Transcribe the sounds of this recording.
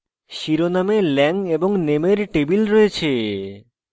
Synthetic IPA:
ʃiɾonamelɛŋeboŋnemeɾʈebilɾɔet͡ɕʰe

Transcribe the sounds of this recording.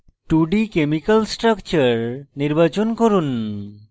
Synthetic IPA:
ʈuɖikemikəlsʈɾakt͡ʃəɾniɾbat͡ʃɔnkoɾun

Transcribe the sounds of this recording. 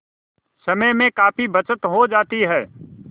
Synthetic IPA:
sɐməjmẽkaːpibɐt͡ʃət̪ɦod͡ʒaːt̪iɦɛː

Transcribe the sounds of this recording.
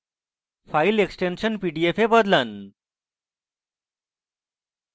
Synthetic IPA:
faileksʈenɕənpiɖiefebəd̪lən

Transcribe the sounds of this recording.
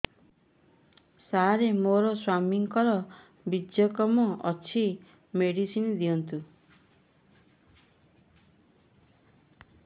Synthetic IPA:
saɾemoɾɔswamiŋkɔɾɔ | bid̪jɔkɔmɔʔɔt͡ʃʰi | meɽisind̪iɔnt̪u

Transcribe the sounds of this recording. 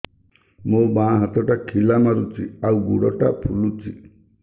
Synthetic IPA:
mobãɦat̪ɔʈakʰilamaɾut͡ʃiawɡuɽɔʈapʰulut͡ʃi

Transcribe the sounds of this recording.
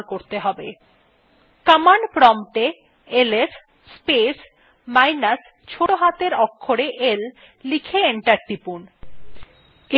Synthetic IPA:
koɾt̪eɦɔbḛ | kamanpɾɔmʈe | eles | spes | majnas | t͡ɕʰoʈoɦat̪eɾɔkʰːoɾeʔelː | ikʰeeɳʈaɾʈ̪ipun

